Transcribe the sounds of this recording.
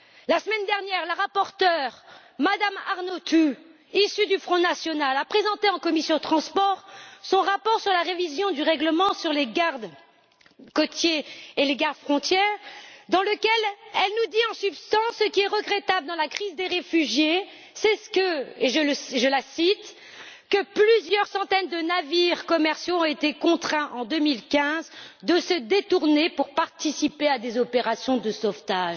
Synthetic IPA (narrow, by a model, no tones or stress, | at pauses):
lasəmɛnd̪ɛʁnjɛʁləʁapɔʁt̪œʁ | mad̪amaʁnot̪u | isyd̪yfχɔ̃nasjɔnalapχezɑ̃t̪eɑ̃kɔmisjɔ̃ət̪χɑ̃spɔʁsɔ̃ʁapɔʁsyʁlaʁevizjɔ̃d̪yʁɛɡləmɑ̃syʁleɡaʁd̪ | kɔt̪jeeleɡaʁd̪fχɔ̃t̪jɛʁd̪ɑ̃ləkʲɛlɛlnud̪iɑ̃sypst̪ɑ̃sːəkʲiɛʁəɡʁɛt̪abləd̪ɑ̃lakχizd̪eʁefyʒje | sɛskəeʒələʒəlasit̪ | kəplyzjœʁsɑ̃t̪ɛnd̪ənaviʁkɔmɛʁsjoɔ̃et̪ekɔ̃t̪χɛ̃ʔɑ̃d̪ømilkʲɛ̃zd̪əsəd̪et̪uʁnepuʁpaʁt̪isipead̪ezɔpeʁasjɔ̃d̪əsɔft̪aʒ